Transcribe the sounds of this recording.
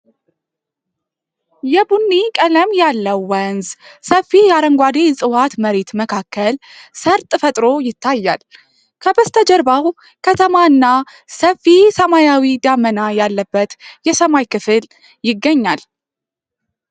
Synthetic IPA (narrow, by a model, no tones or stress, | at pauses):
jɛbunːikʼələmjalːəwːənzsəfːijaɾəŋɡʷad̪esʼɨwat̪məɾe̞t̪məkʰakːəlsəɾt̪ʼɨfət̪ʼɾo̞jɪt̪ʰːajːa̰l | kʰəbəst̪ʰəd͡ʒəɾbaw | kʰət̪ʰəmaɨnːa | səfːisəmajawid̪amənajalːəbːət̪jɛsəmajkʰɨfɨl | jɪɡːəɲːal